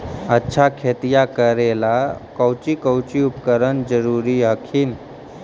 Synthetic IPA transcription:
ətːɕʰakʰet̪ijakəɾelakəwt͡ɕikəwt͡ɕiupkəɾənd͡zəɾuɾiɦəkʰiːn

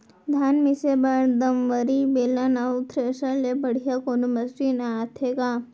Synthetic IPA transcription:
d̪ʱaːnmisebaɽd̪əmʋəɾibelanaut̪ʰɾeʃalebəɽ̤ijakonuməsd͡ʒinaat̪ʰeka

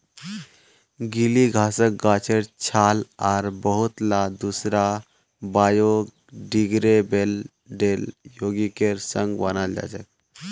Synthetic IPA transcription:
ɡiliɡʱasək̚ɡat͡ɕʰeɾt͡ɕʰalaɾbəɦut̪lad̪usɾa | bajoɡ | ɖiɡɾebel | ɖeljoɡikeɾsəŋɡʋanald͡ʒa̰t͡ɕə̰k̚

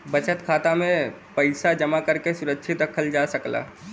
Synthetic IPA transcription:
bət͡ʃət̪kʰaːt̪amẽpəɪsad͡ʒəmakəɾkesuɾəkːʃʰit̪ɾəkʰəld͡ʒasəkla̰

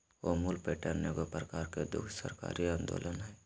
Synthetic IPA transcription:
ʋomʊlpeːʈəɾnekopɾəkaːɾked̪ʊ̰kʰsə̰ɾka̰ːɾiãːnd̪o̰ːlənɦɛː

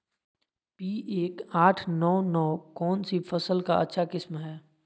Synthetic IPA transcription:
piːʔeːkaːʈʰnɔːnɔːkɔːnsifɐsəlkaɐ̰tːʃʰakɪsmɦɛː

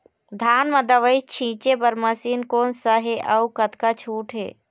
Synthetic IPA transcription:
d̪ʱaːnməd̪əʋəjt͡ʃʰĩːt͡ʃepəɾməsiːnkoːnsəɦeʔəukət̪kat͡ʃʰuːʈʰɦḛː

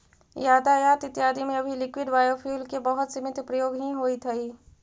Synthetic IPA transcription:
jaːd̪ajaːt̪ɪt̪jaːd̪imẽɐbʱilɪkwɪɖbaːjopʰuːlkebəɦʊt̪simɪt̪pɾəjoːɡɦĩɦoːit̪ʰɐi

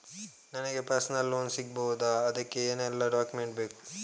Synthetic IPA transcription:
nɐnɐɡe̞pɐɾsnɐlːoːnsiɡbɐɦud̪aːd̪ɐkːeeːnɛlːɐɖaːkumeɳʈbeːku̥

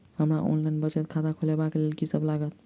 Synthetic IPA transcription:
həmɾaʔo̰nlaɪnbət͡ʃət̪̚kʰad̪akʰolebaklelkisəblaɡət̪̚

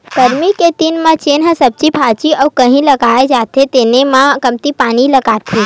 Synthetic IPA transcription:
kəɾmiket̪inmãt͡ʃenɦəsəb̚t͡ʃipʰat͡ʃiəukəɦĩləɡaed͡ʒat̪ʰet̪enemãkəmt̪ipaːniləɡat̪ʰi

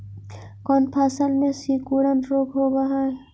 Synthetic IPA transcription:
kɔːnpʰaːsəlmẽsikuɽənɾoːkʰɦoɡaɦa

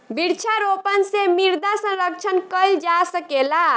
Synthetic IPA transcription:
biɾt͡ʃʰaɾopənsemiɾd̪asə̃ɾək̚t͡ʃʰənkəld͡ʒasəkela

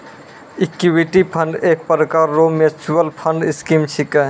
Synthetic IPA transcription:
ikiwiʈipʰəɳɖek̚pəɾəkaɾːomet͡ʃuwəlpʰəɳɖiskimt͡ʃʰikə

